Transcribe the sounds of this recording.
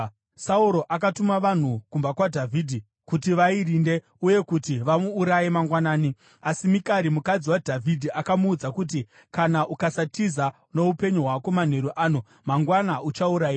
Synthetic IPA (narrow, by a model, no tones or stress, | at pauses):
sauɾo̞ʔakatumaʋan̤ukumbakwadʱavʱiːdʱi | kutiʋairinde̞ | uje̞kutiʋamuːɾajemaŋɡwanaːni | asimikaɾimukad͡ziwadʱavʱidʱiʔakamuːd͡zakut̬i | kanaʔukasatiza | no̞upe̞ɲuɦwakoman̤e̞ɾuʔaːno | maŋɡwanaut͡ʃauɾajiː